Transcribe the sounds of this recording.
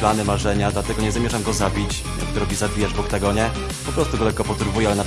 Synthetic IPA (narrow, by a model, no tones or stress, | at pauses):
planɘmaʐɛɲad̪lat̪ɛɡɔɲɛzamʲɛʐamɡɔzabʲit͡ɕ | jʔa̰k̚t̪ɔɾɔbʲizabbʲijad͡ʑbɔkt̪aɡɔɲɛ | pɔpɾɔst̪uɡɔlɛkːɔpɔt̪uɾvujɛalɛna